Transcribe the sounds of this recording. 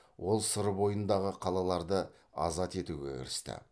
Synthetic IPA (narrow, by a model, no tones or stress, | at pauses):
wʔo̞lˠsʊɾəbo̞jənd̪ɑʁəqʰɑlˠɑlˠɑɾd̪ə | ɑ̰zɑt̪e̞t̪uɡʲe̞̰kʲʰɪ̰ɾɪst̪ɪ̰